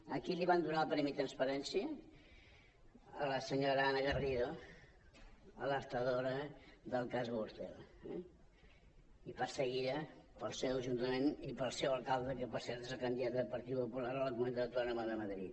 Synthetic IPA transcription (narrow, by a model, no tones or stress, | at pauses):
əkiliβand̪unalˠpɾɛmit̪ɾənspəɾɛnsiə | ə̰ləsəɲoɾəanəɣəriɾo | ələɾt̪əðoɾəðəlˠkazβuɾt̪ɛ̰lˠɛ | ipasəɣiɾəpəlˠsɛwʒunt̪əmenipəlˠsɛwəlˠkalˠd̪əkəpəsɛɾt̪ezəkənd̪iðat̪əpəɾt̪ipupulaɾəlˠəkumənt̪əəp̪laɾəmaðəməðɾḭt̪